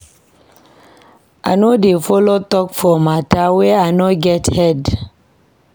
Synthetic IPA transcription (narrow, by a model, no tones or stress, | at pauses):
ʔa̰nodefolotɔkfɔmatawɛanɔɡɛthɛd